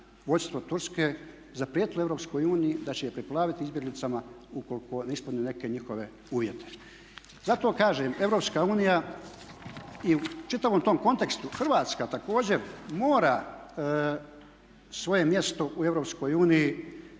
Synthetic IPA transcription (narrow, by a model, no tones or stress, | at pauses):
ʋo̞jst̪ʋo̞t̪uɾskeː | zapɾijeːt̪ile̞vɾo̞psko̞juːnijid̪at͡ɕejepɾiplˠaːʋit̪iizbje̞ɡlit̪sama | uko̞liko̞neisponjune̞ke̞ɲixo̞ʋe̞ | uːʋje̞t̪e̥ | zat̪o̞ːkaːʒeːme̞ʋɾo̞pskaːuːnija | iut͡ʃit̪aʋomt̪o̞ːmko̞nt̪e̞kst̪uxrʋaːt̪skat̪ako̞ːd͡ʑe̞ɾmo̞ːɾa | sʋo̞je̞mje̞st̪o̞ʔue̞ʋɾopsko̞ːjuːniji